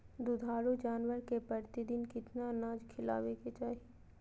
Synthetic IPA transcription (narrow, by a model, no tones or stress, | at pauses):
d̪ʊd̪ʱaːɾud͡ʒaːnʋəɾkepɾɐɾt̪ɪd̪ɪnkɪt̪nanaːd͡ʒkʰɪla̰ːʋeket͡ʃaːɦi